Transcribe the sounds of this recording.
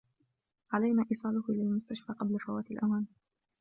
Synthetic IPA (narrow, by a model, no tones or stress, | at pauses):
ʕalajnaːʔiːsˤɑːlʊhʔɪlalmʊst̪aʃfaːqɑblafawaːt̪alʔawaːn